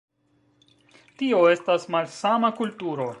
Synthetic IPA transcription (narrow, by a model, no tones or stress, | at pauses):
tio̞e̞stasmalsamakultuɾo̞